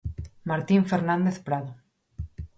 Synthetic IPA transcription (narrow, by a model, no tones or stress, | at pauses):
maɾt̪iɱfeɾnãnd̪eθpɾaðo